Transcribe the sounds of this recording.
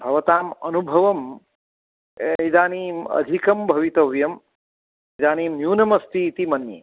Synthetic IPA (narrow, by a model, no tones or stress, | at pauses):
bʱɐʋɐt̪aːmɐnubʱɐʋɐm | jd̪aːniːɐ̰d̪ʱikɐmbʱɐʋit̪ɐʋjɐm | d̪aːnimjuːnɐmɐst̪it̪imɐnːḭ